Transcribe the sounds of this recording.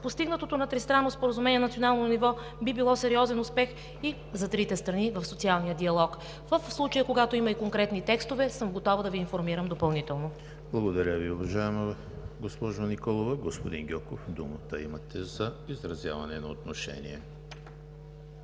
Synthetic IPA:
post̪iɡnət̪ot̪onɐt̪ɾist̪ɾanːospoɾəzumɛnʲiɛnɐt̪sionalˠnnivɔ | bibilˠɔsɛɾiɔzɛnʊspɛx | i | zɐt̪ɾit̪ɛst̪ɾɐnivɐfsot̪sialˠnijəd̪iɐlˠɔk | vəfslˠut͡ʃəjəkoɡat̪oimɐikoŋkɾɛt̪nit̪ɛkst̪ovɛsɤmɡot̪ɔvəd̪ɐviːnfoɾmiɾəmd̪opɐlˠnit̪ɛlˠno | blˠɐɡod̪ɐɾʲəviʊvɐʒaɛmo | ɡospɔʒonikɔlˠovɐɡospod̪inɡʲɔkofd̪umət̪əimɐt̪ʰɛzɐizɾɐzʲja̰vɐnɛnɐot̪noʃɛ̰nḭɛ

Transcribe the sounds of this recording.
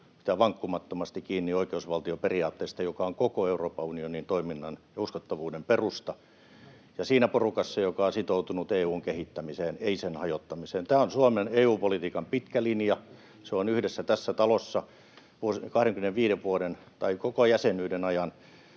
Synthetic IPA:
it̪æʋɑŋkːumɑt̪ːomɑst̪ikiːnːioikeusʋɑlt̪ioperiɑːt̪ːeːst̪ɑjokɑoŋkokoeuroːpɑunionint̪oiminːɑnjɑuskot̪ːɑʋuːdemperust̪ɑ | jɑsiːnæporukɑsːɑjokɑosit̪out̪unut̪eːuːŋkehit̪ːæmiseːneisenhɑjot̪ːɑmiseːnt̪æːonsuɑmeneːuːpolit̪iːkɑmpit̪kælinjɑ | seonyhdesːæt̪æsːæt̪ɑlosːɑ | ʋuokɑhɾeŋkymĕneʋʋiːɾeʋʋuoden | t̪ɑikokojæsenyːdenɑjɑn

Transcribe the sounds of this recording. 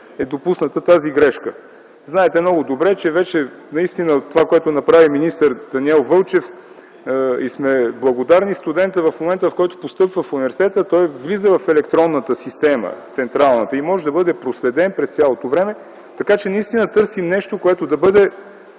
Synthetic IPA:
ɛd̪opusnət̪ət̪aziɡɾɛʃkə | znaɛt̪ɛmnɔɡʊd̪obɾɛt͡ʃɛvɛt͡ʃɛ | nɐist̪inət̪ːovakoɛt̪ʊnɐpɾaviminist̪əɾd̪̥ɐniɛlˠvɤlˠt͡ʃɛf | ismɛblˠɐɡod̪aɾnist̪ud̪ɛnt̪əvɐfmomɛnt̪əfkɔjt̪o̥post̪ɤpvəfunivɛɾsit̪ɛt̪ət̪ɔjvlizəvɐfɛlɛkt̪ɾɔnːət̪əsist̪ɛmə̰t̪sɛnt̪ɾalˠnət̪əimɔʒɛd̪ɐbɤd̪ɛpɾoslɛd̪ɛnpɾɛst̪sʲjalˠot̪ovɾɛmɛ | t̪ɐkat͡ʃɛnɐist̪inət̪ɤɾsimnɛʃt̪okoɛt̪od̪ɐbɤd̪ɛ

